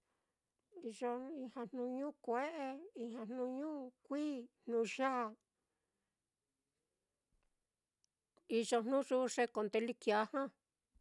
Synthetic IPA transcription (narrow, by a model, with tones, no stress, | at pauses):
i˧ʐo˧i˧hã˧nnũ˧ɲũː˦kʷe˦ʔe˧i˧hã˧n̥nũ˧ɲũː˦kʷiː˦n̥nũ˧ʒa˦˨ | i˧ʐo˧n̥nũ˦ʐu˦˧ʂe˧ko˧nd̪e˧li˦kja˨˧˦hã˦